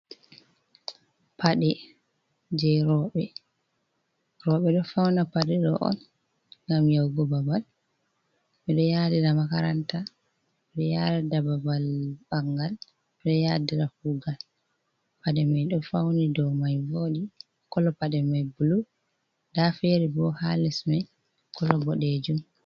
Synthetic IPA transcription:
pʰaɗɛ | d͡ʒɛɾɔɓɛ | ɾɔɓɛɗɔfawnapaɗɛɗɔ̰ʔɔ̰n | ŋɡamjawɡɔbabal | mɛɗɔjadiɾamakaɾanta | mɛɗɔjaɗadababalbaŋɡal | mɛɗɔjadiɾafuɡal | paɗɛmajɗɔfawnidɔwmajvoːɗi | kɔlɔpaɗɛmajbulu | dafeɾibɔhalismɛj | kʰɔlɔbɔɗɛd͡ʒum

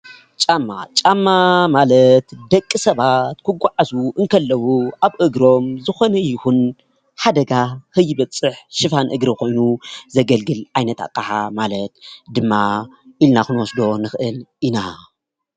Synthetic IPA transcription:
t͡ʃʼamːa̰t͡ʃʼamːamalɐt̪d̪ɐkʼːɨsɐβat̪kʰɨɡʷaʕazuʔɨŋkʰɐlːɐwuʔaβʔɨɡɾo̞mzɨxo̞nɐjɪhun | ħad̪ɐɡahɨjːɪβɐt͡sʼːɨħʃɨfanʔɨɡɾikʰo̞jnuzɐɡɐlɡɨlʕajnɐt̪a̰kʼːaħamalɐt̪d̪ɨmːaʔilnaxɨnwɔsd̪o̞nɨxɨʔɨlina

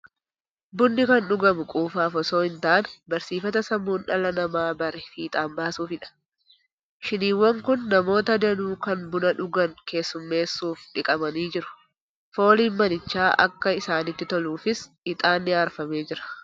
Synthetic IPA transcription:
bʊnːɪkɐnɗʊɡɐmʊkʼuːfaːfɔso̞ːɪnt̪aʔnbɐɾsiːfɐt̪ɐsɐmːuːnᶑɐlɐnɐmaːbɐɾefiːt̪ʼaːmbaːsuːfɪᶑɐ̥ | ʃɪniːwɐŋkʊnːɐmo̞ːt̪ɐd̪ɐnuːkɐnbʊnɐᶑʊɡɐŋke̞ːsːʊmːe̞ːsːuːfᶑɪkʼɐmɐniːd͡ʒɪɾʊ̥ | fo̞ːliːnmɐnɪt͡ʃːaːʔɐ̰kːɐɪsaːnɪt̪ːɪt̪ɔluːfɪs | ɪt̪ʼaːnːɪaːɾfɐmeːd͡ʒɪɾɐ̥

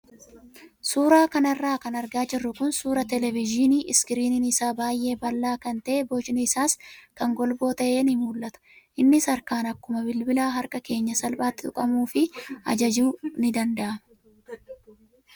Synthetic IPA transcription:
suːɾaːkɐnɐrːaːkɐnɐɾɡaːd͡ʒɪrːʊkʊnsuːɾɐt̪ɛlɛvɪd͡ʒɪniːʔɪskɪɾiːnɪnɪsaːbaːjʔe̞ːbɐlːaːkɐnt̪ɐʔeːboːt͡ʃnɪɪsaːskɐŋɡɔlbo̞ːt̪ɐʔe̞ːnɪmuːlʔɐt̪ɐ̥ | ʔɪnːɪsɐɾkaːnɐkːʊmɐbɪlbɪlaːɦɐɾkʼɐke̞ːɲːɐsɐlbaːt̪ːɪt̪ʼʊkʼɐmuːfɪɐ̰d͡ʒɐd͡ʒuːnɪd̪ɐnd̪ɐʔɐmɛ

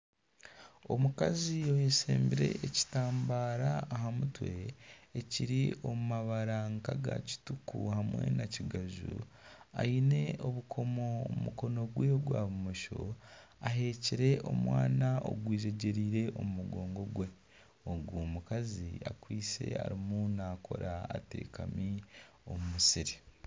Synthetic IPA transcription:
o̞mukazijo̞hesḛːmbiɾe̞̰ʔːci̥taːmbaːɾaːɦamutwe̞ːciɾio̞mumaβaɾaŋkaɡa̰ci̥tukṵhamwe̞̰naciɡaʒṵ | a̰ine̞o̞βukʰomomuko̞no̞ɡweɡwaːβumoʃo̰aɦe̞ːciɾe̞ʔo̞̰mwaːnao̰ɡwiːʒe̞ɟeɾiːɾe̞ʔo̞mumuɡoːŋɡo̞ɡwe̞ | oɡwuːmukazia̰kwiːt͡se̞̰a̰ɾimunakʰo̞̰ɾa̰ːtiɾikami | o̞mumusiɾi

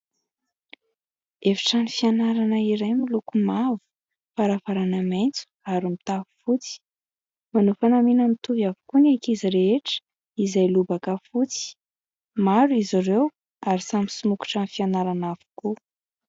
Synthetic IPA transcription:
evi̥ʈ͡ʂanifianaɾanəiɾejmulukumavu̥ | faɾavaɾanamejnt͡su̥aɾimit̪avu̥fut͡si̥ | manufanaminəmit̪uvjavukunakiziɾeeʈ͡ʂə̥ | izajlubakəfut͡si̥ | maɾuizaɾew | aɾisamisumuku̥ʈ͡ʂanifianaɾanav̥u̥ku

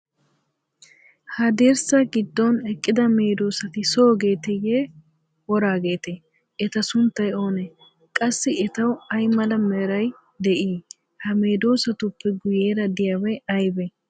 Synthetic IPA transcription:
hɐd̪eːɾsɐɡɪd̪ːɔnɛkʼːɪd̪ɐme̞ːd̪o̞ːsɐt̪ɪso̞ːɡe̞ːt̪ɛje | wɔɾaːɡe̞ːt̪e | ɛt̪ɐsʊnt̪ːɐjo̞ːnɛ | kʼɐsːɪɛt̪ɐwɐjmɐlɐmɛɾɐj | d̪ɛʔiː | hɐme̞ːd̪o̞ːsɐt̪ʊpːɛɡʊjeːɾɐd̪ɪjawɛjɐjbɛ

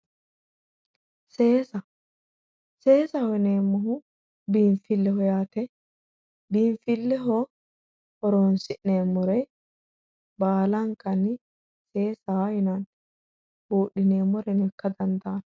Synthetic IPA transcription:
se̞ːsɐ | se̞ːsɐhɔneːmːɔɦʊ | biːɱfɪlːɛhɔjaːt̪ɛ | biːɱfɪlːɛɦɔ | hɔɾonsɪʔneːmːɔɾɛ | baːlɐŋkːɐnɪ | se̞ːsaajʊnɐn | buːɗːɪneːmːɔɾɛnɛkːɐd̪ɐnd̪aːn

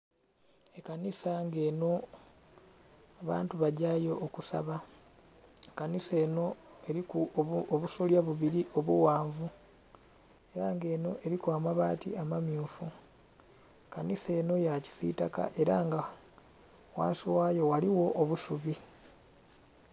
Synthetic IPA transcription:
ekanisaŋɡe̞ːno̞ | aβa̰ːntuβaɟajo̞ʔːkusa̰βa | kanise̞ːno̞e̞ɾikuoβusuljaβuβiɾiʔo̞βṵwaːɱvu | e̞ɾaŋɡe̞ːno̞ʔe̞ɾikwamaβaːtḭamamjuːfu | kanise̞ːno̞jaci̥sḭtaka̰ʔe̞ɾaŋɡa | wa̰ːnsiwaːjo̞waliwo̞ʔːβusuβi

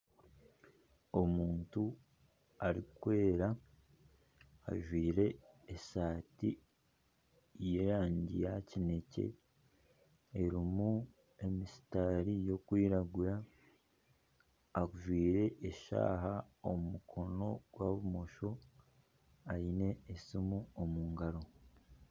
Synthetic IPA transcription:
o̞muːntu | aɾikwe̞ːɾa | a̰ʒwiːɾe̞esaːti | jeɾaːɲɟḭjacine̞ce̞̰ | eɾimu | e̞misi̥taːɾijo̞kwiːɾaɡuɾa | kuʒwiːɾe̞ʔeʃa̰ːɦa | ommukʰo̞no̞ɡ̥waβumo̞ʃo̞ | aine̞ːsimuomuːŋɡaɾo̞

